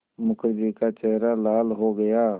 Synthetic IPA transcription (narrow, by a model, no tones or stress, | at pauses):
mʊkʰɾɪd̪ikat͡ʃɛɦɾalaːlɦoɡɐjaː